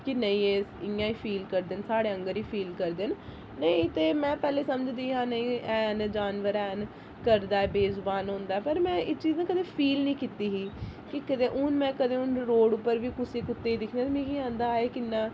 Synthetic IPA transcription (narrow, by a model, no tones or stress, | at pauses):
kɪnəĩːeːsɪãːiːpʰiːlkəɾd̪eːnsaːɽeːəŋɡəɾiːpʰiːlkəɾd̪en | nəĩt̪eːmɛ̃ːpɛːleːsəməd͡ʒd̪iːɦãːnəĩːɛːnd͡ʒaːnʋəɾɛːn | kəɾd̪aːɛːbeːzbaːnɦõnd̪aːɛːpəɾmɛ̃ːɪt͡ʃiːznẽːkəd̪eːpʰiːlnĩːkɪt̪iːɦiːkɪkəd̪eːʔʊnmɛ̃ːkəd̪eːʊnɾoːɽʊpːəɾʋiːkʊsiːkʊt̪ːeːiːd̪ɪkʰneaːt̪ːmĩːkiːãːnd̪aːeːkɪnːãː